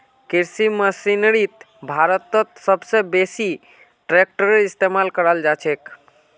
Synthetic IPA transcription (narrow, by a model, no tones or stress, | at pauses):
kiɾsiməsinɾit̪ | bʱaɾət̪ət̪səbsebesi | ʈɾek̚ʈəɾeist̪emalkəɾəld͡ʒat͡ʃʰek